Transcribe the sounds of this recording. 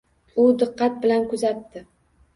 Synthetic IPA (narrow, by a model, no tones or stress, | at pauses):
ʊd̪ɨqːɑt̪̚bɪlankʊzat̪ːɪ